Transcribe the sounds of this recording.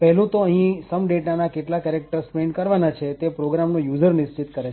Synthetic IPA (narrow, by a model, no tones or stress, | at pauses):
pɛɦlũt̪oəɦĩsəmɖeʈnanakeʈlakɛɾek̚ʈəɾspeɳɖkəɾʋanat͡ʃʰet̪epɾoɡɾamnojud͡ʒəɾnɪst͡ʃit̪kəɾet͡ʃʰ